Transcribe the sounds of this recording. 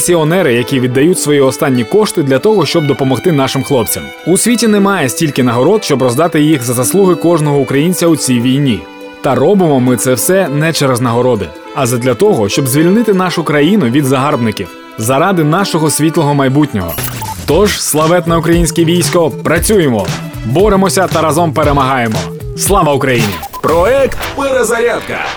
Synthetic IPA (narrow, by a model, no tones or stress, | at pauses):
sʲiɔnɛɾɪjɐkʲiʋʲid̪ːɐjutʲsʋɔjiɔst̪ɑnʲːikɔʃt̪ɪd̪lʲɐt̪ɔɦɔʃt͡ʃɔb̚d̪ɔpɔmɔxt̪ɪnɑʃɪmxlˠɔp̚t͡sʲɐm | usʲʋʲitʲinɛmɑjɛsʲtʲilʲkɪnɐɦɔɾɔd̪ʃt͡ʃɔbɾɔzd̪ɑt̪ɪjixzɐzɐslˠuɦɪkɔʒnɔɦɔʊkɾɐjinʲt͡sʲɐʊt͡sʲijʋʲijnʲi | t̪ɐrɔbɪmɔmɪt̪sɛwsɛnɛt͡ʃɛɾeznɐɦɔɾɔd̪ɪ | ɐzɐd̪lʲɐt̪ɔɦɔʃt͡ʃɔbzʲʋʲilʲnɪt̪ɪn̪ɑʃʊkɾɐjinʊʋʲid̪zɐɦɑrbnɪkʲiw | zɐɾɑd̪ɪnɑʃɔɦɔsʲʋʲit̪lˠɔɦɔmɐjbutʲnʲɔɦɔ̰t̪ɔʒ̥slˠɐʋɛt̪nɛʊkɾɐjinʲsʲkʲiʋʲijsʲkɔpɾɐt͡sʲujemɔ | bɔɾemɔsʲɐt̪ɐɾɐzɔmpeɾemɐɦɑjemɔ | slˠɑʋɐʊkɾɐjinʲḭ | pɾɔɛkt̪peɾezɐɾʲad̪kɐ̰